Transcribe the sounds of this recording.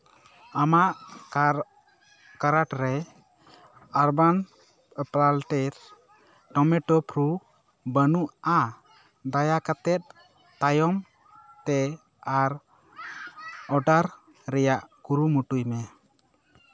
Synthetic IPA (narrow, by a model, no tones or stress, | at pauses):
amaʔ | kaɾaʈɾɛ | aɾban | pɾalʈɛɾ | ʈɔmɛʈɔpʰɾu | bənuʔa | d̪ajakat̪ɛt̪̚ | t̪ajɔm | t̪ɛ | aɾ | ɔɖaɾ | ɾɛjaʔkuɾumuʈujmɛ